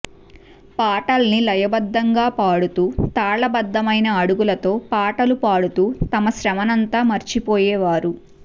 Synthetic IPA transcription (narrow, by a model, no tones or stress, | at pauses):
paːʈɐlɐnilɐjɐbɐd̪ːɐŋɡaːpaːɽut̪uːt̪aːɭɐbɐd̪ːɐmɐjnɐːɽuɡulɐt̪o̞ːpaːʈɐlupaːɽut̪uːt̪ɐmɐʃɾɐmɐnɐnt̪aːmɐɾt͡ʃipoːjɛːʋaːɾu